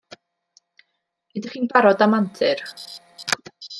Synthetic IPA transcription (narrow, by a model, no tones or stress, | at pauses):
idɪχiːnbaɾɔdamantʰɪr